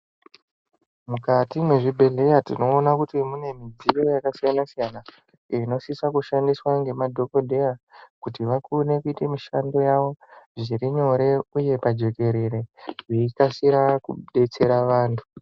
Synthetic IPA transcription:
mukatimweʐibʱe̞ɮe̞jatino̞ːnakutimune̞mid͡zijo̞jakasijanasijana | ino̞sisakuʃandiswaŋɡe̞madʱo̞ko̞dʱejakutiʋakune̞kuitemiʃando̞jaʋo̞ʐiɾiɲo̞ɾe̞uje̞pad͡ʒo̞ke̞ɾe̞ɾe̞ʐiikasiɾakṵɗe̞t͡se̞ɾaʋaːntʰu̥

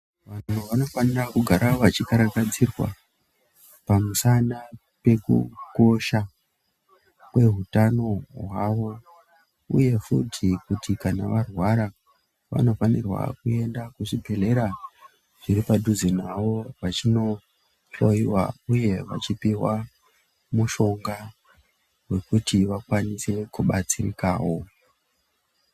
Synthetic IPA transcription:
ʋan̤n̤uʋano̞fanirakuɡʱaɾaʋat͡ʃikaɾakad͡zirwa̰ | pamusana | pe̞kṵko̞ʃa | kwe̞ɦutano̞ɦwaʋo̞ | ṵje̞futʰikutʰikanaʋarwaɾa | ʋa̰no̞fanirwa̰kue̞ndakuʐibʱe̞le̞ɾa | ʐ̥iɾipadʱuzinawo̞ʋat͡ʃino̞ | ɬoiwa̰uje̞ʋa̰t͡ʃipiwa | muʃo̞ŋɡa | we̞kutiʋakwanise̞kuɓat͡sirḭka̰ːwo̞

